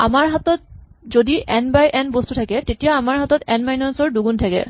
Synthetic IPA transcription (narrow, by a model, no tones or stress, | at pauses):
a̰maɹɦat̪ɔt̚zodiʔɛnbajʔɛnbostutʰakɛtetijaamaɹɦat̪ɔtɛnmajnɔnsɔɹduɡuntʰakɛ̰